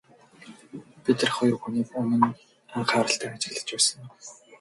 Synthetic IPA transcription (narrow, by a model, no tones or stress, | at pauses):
pit̪ɘ̆rχɔjɞ̆rxuniːkɵnɘ̆n | aɴχaːɾə̆ɬt̪ʰæːat͡ɕɪ̥̆ɮə̆t͡ɕpæːsə̆ŋ